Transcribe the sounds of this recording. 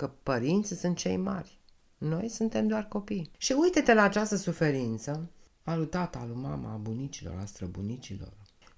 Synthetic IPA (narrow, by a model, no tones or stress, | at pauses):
kəpəɾint̪sʲsunt̪̚t͡ʃe̞̰jma̰rʲ | no̞jsunt̪e̞md̪oarko̞pijʃiujt̪et̪elaːt͡ʃast̪əsufe̞ɾint̪sə | alut̪at̪alumama̰bunit͡ʃilo̞̰ɾa̰st̪ɾəbunit͡ʃilo̞̰r